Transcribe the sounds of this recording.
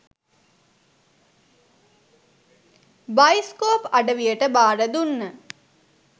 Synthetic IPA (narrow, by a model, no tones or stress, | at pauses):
bajskoːpɐɖəʋijəʈəbaːɖəd̪unːə